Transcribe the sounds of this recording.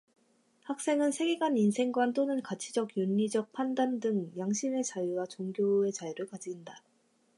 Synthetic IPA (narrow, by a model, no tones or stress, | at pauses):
hak̚s͈e̞ŋɯnsʰe̞ɡe̞ɡaninsʰe̞ŋɡwant͈onɯnkat͡ɕʰid͡ʑʌɡjuɲːid͡ʑʌk̚pʰandandɯŋjaŋɕʰime̞t͡ɕajuwat͡ɕoŋɡjoe̞t͡ɕajiɾɯɭkad͡ʑinda